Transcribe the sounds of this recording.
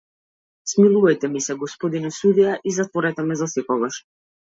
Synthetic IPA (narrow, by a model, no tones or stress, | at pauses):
smilˠuvajt̪ɛmisɛɡɔspɔd̪inɔsud̪ijaʔizat̪vɔɾɛt̪ɛmɛzasɛkɔɡaʃ